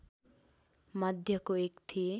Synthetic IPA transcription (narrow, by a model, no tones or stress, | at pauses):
mʌd̪ʱjʌkoekt̪ʰi